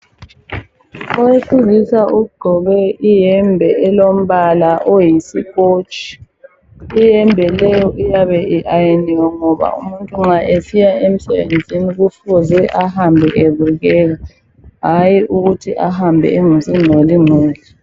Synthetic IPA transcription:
ɔwesizisaʔuɡ͡ǃʱɔβɛijɛmbʱɛʔɛlom̩βalaʔojisikʼot͡ʃʼi̥ː | jɛmbʱɛlɛjɔʔijaβɛʔiʔajeniwɔŋɔβa̰ṵmuntʼuŋ͡ǁaʔesijaem̩sɛβḛnd͡zʱiniɣufuzɛʔahambʱɛʔeβuɣɛɣa | ɦajiʔuɣutʰiʔahambʱɛ̰eŋusʼinʱolinoːzi

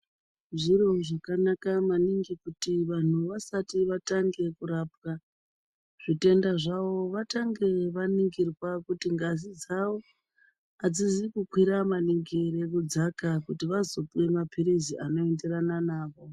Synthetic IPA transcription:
ʐiɾo̞ʐakanakamaniŋɡikutiʋan̤uʋasatiʋataŋɡe̞kuɾap̚ka | ʐ̥ite̞ndaʐaʋo̞ʋataŋɡe̞ʋaniŋɡirwakutiŋɡazid͡zawo̞ | ad͡zizikukwiɾamaniŋɡeɾekud͡zakakutiʋazo̞puwe̞mapʰiɾiziʔano̞e̞nde̞ɾananaːʋo̞

